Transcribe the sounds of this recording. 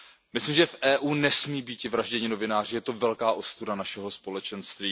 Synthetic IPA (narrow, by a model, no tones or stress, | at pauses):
mɪslimʒɛfʔɛːʔuːnɛsmiːbiːcɪvɾaʒɟɛɲɪno̞vɪnaːr̝ɪjɛt̪ovɛlkaːʔo̞st̪udanaʃɛɦo̞spo̞lɛt͡ʃɛnst̪viː